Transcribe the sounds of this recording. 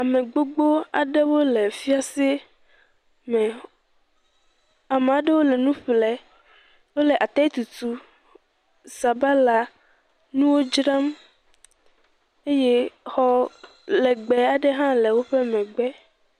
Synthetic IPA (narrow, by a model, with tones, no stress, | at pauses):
a˨mẽ˨ɡ͡bo˦ɡ͡bo˦a̰˨ɖe˦wo˦le˨fi˦a˦se˦ | mɛ˨ | a˨me˨a˨ɖɛ˦wo˦lɛ˨nũ˦ɸlɛ˨ | wo˦lɛ˨ʔa˨t̪a˦t̪u˨t̪u˦ | sa˨ba˦la˨ | nũ˦wo˦d͡ʒɾa˦m | e˦je˦hɔ˨ | lɛ˨ɡ͡bɛ˨a˨ɖɛ˦ɦã˦lɛ˨wo˦ɸɛ˦mɛ̃˨ɡ͡bɛ˦